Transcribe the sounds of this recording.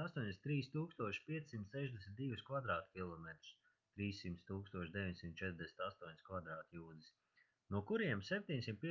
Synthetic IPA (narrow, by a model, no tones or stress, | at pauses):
ast̪uɔɲʲd̪esʲnt̪ɾiːst̪uːkst̪uɔʃi̥pʲiɛssimt̪sɛʒd̪ʲɛsʲmʲt̪d̪ivuskvad̪ɾaːt̪kʲilˠɔmɛt̪ɾu̥s | t̪ɾiːsːimt̪st̪uːkst̪uɔʃd̪ɛʋʲiɲsimt̪̚t͡ʃɛt̪ɾd̪ʲɛsnt̪ast̪uɔɲʲskvad̪ɾaːt̪juːd̪is | nuɔkuɾiɛmsɛp̚ʲt̪ʲiɲsimt̪̚pʲi